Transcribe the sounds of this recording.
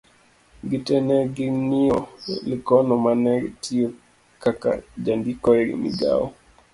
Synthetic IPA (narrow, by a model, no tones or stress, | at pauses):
ɡitɛnɛɡiniɔlikɔnɔmanɛɡitʰio | kaka̰d͡ʒandikɔjɡḭmḭɡa̰wɔ